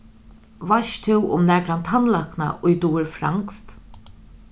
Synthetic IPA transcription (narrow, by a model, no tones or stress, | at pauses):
vaʃt̪ʰɪwʊ̰mnɛːkɾant̪ʰanlakna̰ʔʊjd̪uɪɾfɾa̰ŋkst̪